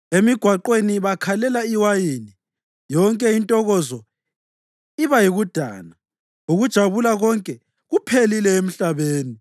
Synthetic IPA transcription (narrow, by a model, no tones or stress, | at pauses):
emiɡ̥ʱwaǃweniβakʰalɛlaiwajiːni | jɔŋkʼɛintʼɔɣɔzɔ | iβajiɣud̥ʱa̰ːna | uɣud̥ʒ̥ʱaβulaɣɔŋkʼɛ | ɣupʰelilɛem̩ɬaβeːni